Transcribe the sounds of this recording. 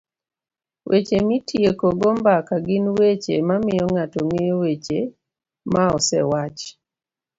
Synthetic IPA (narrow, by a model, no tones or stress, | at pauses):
wʔet͡ʃemitjekoɡɔmbakaɡɪnwet͡ʃḛmamɪjɔŋatɔŋewet͡ʃe | maɔsɛ̰wat͡ʃ